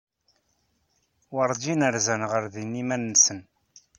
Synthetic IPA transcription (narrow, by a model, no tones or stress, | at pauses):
wəɾˤd̪inəɾzænʁəɾðinːimænːsən